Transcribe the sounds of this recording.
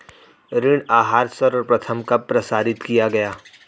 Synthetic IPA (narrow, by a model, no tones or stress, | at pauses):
ɾɪɽ̃aːɦaːɾsɐɾɔːɾpɾɐt̪ʰəmkapɾɐsaːɾɪt̪kijaɡɐjaː